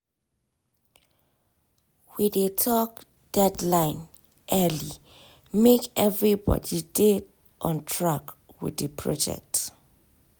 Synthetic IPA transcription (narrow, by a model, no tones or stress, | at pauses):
widetʰɔk̚ | d̥ɛdlãɪ̃n | ʔɛli | mekɛvɹibɔ̰didet | ʔɔ̃ntʰɹak | wḭdəpʰɹɔ̰d͡ʒɛ̰k̚t